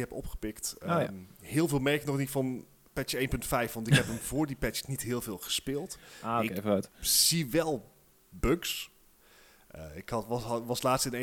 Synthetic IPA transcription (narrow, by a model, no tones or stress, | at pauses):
ɦɛpɔ̰pχə̥pɪktəohɪːlˠvɪːlˠmɛɹkənɔχnitfɑn | pɛtjəejnpɵntfɛjfʋɑntɪkɦɛpəmvʊːɹdipɛtjə̥snitɦɪːlˠvɪːlˠχə̥spɪːlˠtaɪkfəatz̥iʋɛlˠ | bøks | əɪkɑʋɑslaːtstɪne